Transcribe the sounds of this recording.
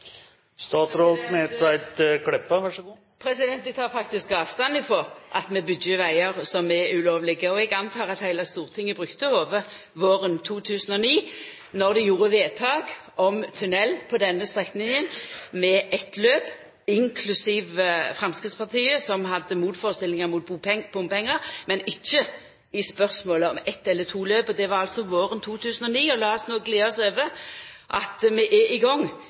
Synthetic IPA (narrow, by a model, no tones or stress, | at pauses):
st̪ɑːt̪ɾɔlt̪mɛɛt̪æɪt̪kʰlɛpːəʋæʂəɡuː | pʰɾɛsɪd̪ɛnt̪ʋɪt̪ʰɑːʁfɑk̚t̪ɪskɑːʋst̪ɑnd̪ɪfoːʔɑt̪mɛbʏd̪jəʋæɪəʁsɔmɛʉloːʋlɪɡəɔɛɡɑnt̪ʰɑːʁɑt̪hæɪləst̪uːʁt̪ʰɪŋːəbʁʉkt̪əoːʋəʁ | ʋoːʁənt̪ʰuːt̪ʰʉːsənɔniː | nɔʁd̪ɛjuːʁəʋeːt̪ʰɑːɡ | ɔmt̪ʰʉnɛlːpʰɔd̪ɛnːəst̪ʁɛknɪŋənmɛʔɛt̪løːb̥ | ɪŋkʰlʉsiːʋfɾɑmskʁɪt̪spɑʁt̪ʰiːəsɔmɦɑd̪ːəmuːt̪foːʁəst̪ɪlːɪŋəmuːt̪̚bupɛŋb̥ʊmpʰɛŋːəʁmɛnɪçːə | ɪspœʁsmoːləɔmɛt̪ːɛlːət̪ʰuːløːbɔd̪ɛʋɑɾʁɑlt̪sɔʋoːɾənt̪ʰuːt̪ʰʉːsənɔniːɔlɑːɔsnoːɡleːɔsøːʋəʔɑt̪mɛʔɛɪɡɔŋ